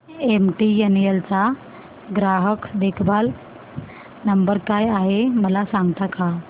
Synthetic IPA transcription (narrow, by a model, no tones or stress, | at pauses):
emʈienjelt͡sa | ɡɾaɦəkd̪ekʰbʱal | nəmbəɾkajaɦeməlasaŋɡt̪aka